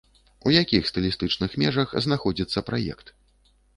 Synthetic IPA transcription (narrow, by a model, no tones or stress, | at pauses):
ujakʲixst̪ɐlʲist̪ɨt͡ʂnɨxmʲɛʐɐxznaxɔd͡zʲit̪sːɐpɾajɛ̰kt̪